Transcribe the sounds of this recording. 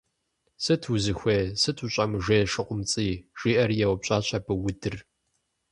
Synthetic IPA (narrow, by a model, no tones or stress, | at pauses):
sɨtʰwuzɨxʷeːsɨtʰuɕʼɐmɨʒeːʂɨqʷʼʊmt͡sʼiːʒ̥iːʔɐrjɛwpɕʼaːɕʷʰʼɐbɨwʊdɨr